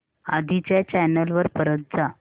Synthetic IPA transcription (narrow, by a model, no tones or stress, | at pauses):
ad̪ʱit͡ɕjat͡ɕɛnəlʋəɾpəɾət̪̚d͡za